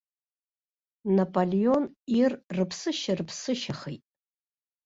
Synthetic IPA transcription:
napʼolionirrɨpʰsɨʃarɨpʰsɨʃɐχejtʼ

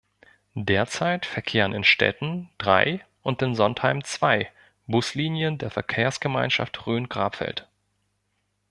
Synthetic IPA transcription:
deːɐt͡saɪtfɛɐkʰeːʁənɪnʃtɛ̰tn̩d̥ʁa̰ɪ | ʔʊntɪnzɔnthaɪmt͡sv̥aɪ | bʊsliːnjəndeːɐfɛɐkʰeːɐsɡ̥əmaɪnʃa̰ftʁøːnɡ̥ʁaːpfɛ̰lt

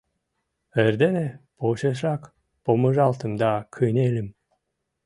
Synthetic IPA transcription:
eɾd̪enepoʃeʃ̬ɾɑk | pomɯʒɑlˠt̪ɯmd̪ɑkʰɯnelʲim

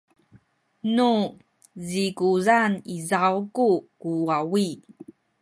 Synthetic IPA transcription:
nu | zikuzanizawkukuawi

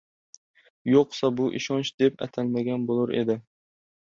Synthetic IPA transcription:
joqsɑbuʔiʃɑnt͡ʃd̪epɛ̰t̪ʰælmaɡʲɛnbolˠuɾḛd̪ɪ

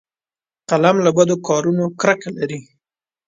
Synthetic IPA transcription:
qalamlabad̪okɑɾunokɾakalaɾi

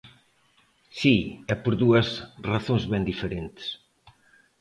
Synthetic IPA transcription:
siɛpoɾðuɐsraθõŋzβɛnd̪ifeɾẽnt̪ɪ̥s

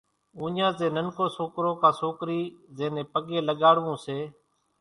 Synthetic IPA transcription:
ũːɲãːteːnənkoːsoːkɾõːkãːsoːkɾiːzẽːnẽːpəɠeːləɠaːɽʋũːseː

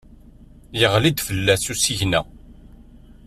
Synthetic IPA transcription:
jəʁlid̪fəlːæsusiʝnæ

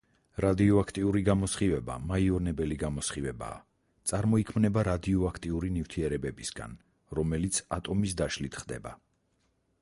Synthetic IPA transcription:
ɾad̪iɔakʰt̪ʼiuɾiɡamɔsχivɛba̰maiɔnɛbɛliɡamɔsχivɛba̰ː | t̪sʼaɾmɔikʰmnɛbaɾad̪iɔakʰt̪ʼiuɾinift̪ʰiɛɾɛbɛbisɡa̰n | ɾɔmɛlit̪sʰat̪ʼɔmis̬d̪aʃlit̪ʰχd̪ɛ̰ba̰

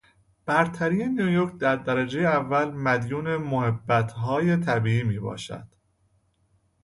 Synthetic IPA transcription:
b̥æɾt̪ʰæɾijenijojoɾkʰd̪æɾd̪æɾæd͡ʒe̞jeævːælmæd̪juːne̞mohebːæt̪ʰɦɒːje̞t̪ʰæbiːiːmiːbɒ̰ːʃæ̰d̪̥

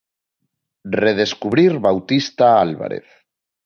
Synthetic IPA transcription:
reð̞eskuβɾiɾβawt̪ist̪aalβa̰ɾḛθ

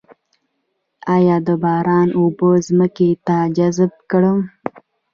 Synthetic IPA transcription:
ɑːjɑːd̪əbɑːɾɑːnubəzməket̪ad͡ʒazb̚kəɽəm

